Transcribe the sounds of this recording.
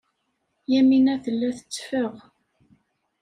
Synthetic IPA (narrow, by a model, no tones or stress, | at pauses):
jæminæθəlːæθə̥t͡sːfəʁ